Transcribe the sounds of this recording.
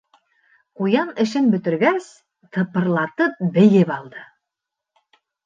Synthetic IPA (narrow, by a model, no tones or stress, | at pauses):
qujɑnɘ̆ʃɘnbɵ̆t̪ɘ̆ɾɡæs | t̪ʰɤ̆pɤ̆ɾlˠɑt̪ɤp̚bɘ̆jɘpɑlˠd̪ɤ